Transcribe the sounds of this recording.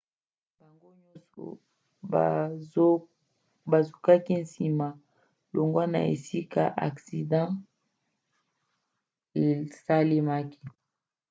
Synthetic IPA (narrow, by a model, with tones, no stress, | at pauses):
ba˨ŋɡo˦ɲɔ˦sɔ̰˨˦ | ba˨zo˨ka˦ki˦nsi˨ma˨ | lo˨ŋɡwa˦na̰˨ḛ˨si˦ka̰˦ʔa̰˨ksi˨dã˦ | e˨sa˦le˦ma˦ki̥˦